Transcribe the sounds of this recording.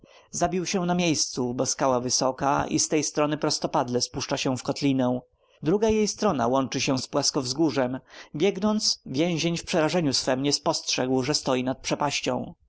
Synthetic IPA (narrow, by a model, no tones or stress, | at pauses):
zabʲiwɕɛ̃namʲjejst̪subɔskawavɘsɔka̰ḭst̪ɛjst̪ɾɔnɘpɾɔst̪ɔpad̪lɛspuʂt͡ʂaɕɛ̃fkɔt̪lʲinɛw̃ | d̪ɾuɡajejst̪ɾɔna̰wɔnt͡ʂɘɕɛ̃spwaskɔvzɡuʐɛmbʲjɛɡnɔnt̪svʲjɛ̃w̃ʑeɲfpʂɛɾaʐɛɲusfɛmɲɛspɔstʂɛɡwʐɛst̪ɔjinat̪̚pʂɛpaɕt͡ɕɔ̰̃w̃